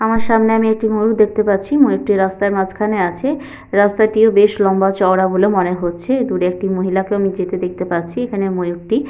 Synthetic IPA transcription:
amaɾʃamneamiek̚ʈimojukd̪ek̚ʰt̪epatːɕʰimojuk̚ʈiɾast̪aɾmad͡ʑkʰaneat͡ɕʰe | ɾast̪aʈiobeʃlɔmbat͡ɕɔwɽabolemɔneɦotːɕʰed̪uɾeek̚ʈimoɦilakeamid͡ʑet̪ed̪ek̚t̪epatːt͡ɕʰiekʰanemojuk̚ʈi

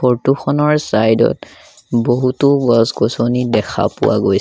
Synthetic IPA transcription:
ɔɹtuxɔnɔɹsajdɔ̰t | boɦutʊɡɔsɡosonidɛxʰa̰pʊ̰wa̰ɡoj

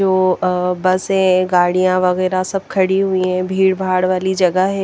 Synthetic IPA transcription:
oːbɐsɦɛ̃ɡaːɽijãʋɐɣɛːɾasɐb̚kʰɐɽiɦʊiɦɛ̃bʱiːɽbʱaːɽʋaːlid͡ʒɐɡəɦɛ

